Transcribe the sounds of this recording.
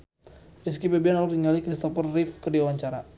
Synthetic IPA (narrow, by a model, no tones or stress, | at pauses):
ris̬kibabianalɔk̚diŋalikɾist̪ɔpərːifkərdiawaɲt͡ʃaɾa